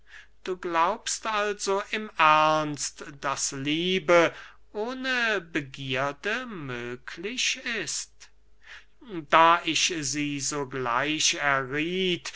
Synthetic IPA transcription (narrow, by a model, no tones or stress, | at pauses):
d̥uːɡlaʊpstalzoʔɪmʔæɐnstd̥asliːbə | ʔoːnəbəɡiːɐdəmøːkʰlɪɕɪst | d̥aːʔɪʃziːzoːɡla̰ɪʃɛɐʁiːt